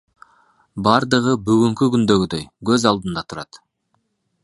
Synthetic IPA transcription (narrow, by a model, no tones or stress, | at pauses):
bɑɾd̪əʁəbʏɡʲɪŋkʲɪkʲʏnd̪eɡʲɪd̪ejkʰʲɵzɑlˠd̪ənd̪ɑt̪ʰʊɾɑ̰t̪